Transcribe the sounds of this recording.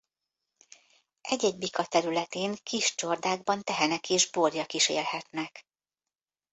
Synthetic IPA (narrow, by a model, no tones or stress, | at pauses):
ʔɛɟɛɟbikɒt̪ɛɾylɛt̪eːŋkiʃt͡ʃord̪aːɡ̚bɒnt̪ɛɦɛnɛkeːʒborjɒkiʃḛːlhɛt̪nɛk